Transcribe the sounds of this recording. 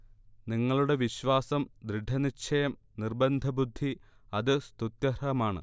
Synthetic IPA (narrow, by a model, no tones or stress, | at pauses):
niŋːɐɭuɽe̞ʋiɕʋaːsɐmd̪ɾiɖʱɐnit͡ɕʰɐjɐm | nirbɐnd̪ʱɐbud̪ʱːiɐðɨst̪ut̪jɐɾɐɐmaːɳɨ̰